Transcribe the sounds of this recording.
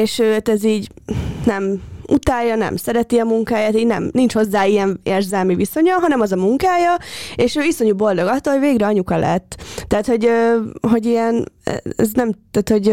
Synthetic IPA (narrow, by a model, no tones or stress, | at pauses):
eːʃøːt̪ɛziːɟnɛmut̪aːjːɒnɛ̰msɛɾɛt̪iɒmuŋkaːjaːt̪iːɟnɛ̰mnint͡ʃho̞zːaːijɛneːrzɛlmiviso̞ɲɒɦɒnɛmɒzɒmuŋkaːjɒeːʃøːiso̞ɲubo̞ld̪o̞ɡɒt̪ːoːlhoɟveːɡɾɛɒɲukɒlʔɛ̰t̪ːaːt̪ho̞ɟøɦo̞ɟijɛnɛ̰ɛ̰znɛmt̪ɛːt̪ho̞ɟ